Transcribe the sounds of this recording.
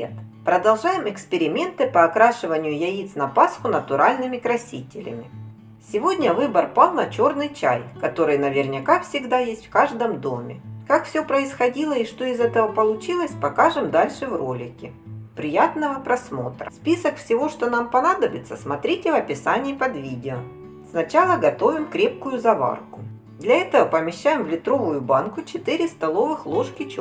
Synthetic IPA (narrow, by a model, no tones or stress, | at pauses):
t̪pɾəd̪ɐlˠʐajɪmɨkspʲɪɾʲɪmʲe̞nt̪ɨpɐːkɾaʂɨvənʲɪjʊjɐit̪snɐpasxʊnət̪ʊɾalʲnɨmʲɪkɾɐsʲitʲɪlʲɪ̰mʲɪ | sʲɪvo̞dʲnʲɐvɨbərpalˠnɐt͡ɕo̞rnɨjt͡ɕa̰jkɐt̪o̞ɾɨjnɐvʲɪrnʲɪkafsʲɪɡd̪ajesʲtʲfkaʐd̪əmd̪o̞mʲɪ̰kakfsʲɵpɾəɪsxɐdʲilˠəɪʂt̪o̞ɪzɛt̪əvəpəlˠʊt͡ɕilˠəsʲpɐkaʐɨmd̪alʲʂɨvro̞lʲɪkʲɪ | pɾʲɪjat̪nəvəpɾɐsmo̞t̪ɾə̰spʲisəkfsʲɪvo̞ʂt̪onampɐnad̪əbʲɪt̪səsmɐt̪ɾʲitʲɪvɐpʲɪsanʲɪːpɐd̪vʲidʲɪo | snɐt͡ɕalˠəɡɐt̪o̞vʲɪmkɾʲe̞p̚kʊjʊzɐva̰rkʊ | d̪lʲɐɛt̪əvəpəmʲɪɕːæjɪmvlʲɪt̪ɾo̞vʊjʊbankʊt͡ɕɪt̪ɨɾʲɪst̪ɐlˠo̞vɨxlˠo̞ʂkʲɪt͡ɕ